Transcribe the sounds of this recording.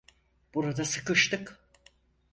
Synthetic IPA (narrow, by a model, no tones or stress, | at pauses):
b̥uɾad̪asɯkɯʃt̪ɯk